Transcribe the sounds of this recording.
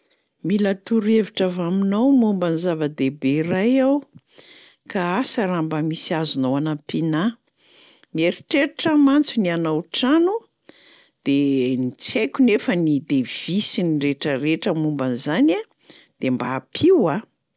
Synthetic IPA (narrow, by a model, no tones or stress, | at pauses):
milat̪uɾeviʈ͡ʂavaminowmumbanizavad̪ebeɾajaw | kaasaɾambəmisiazunowanapina | mieɾiʈ͡ʂeɾiʈ͡ʂəmant͡sunianawʈ͡ʂanu | d̪̥enit͡sekʲunefənid̪ev̥isinireʈ͡ʂəreʈ͡ʂəmumbanizana | d̪̥embaːpʰiwa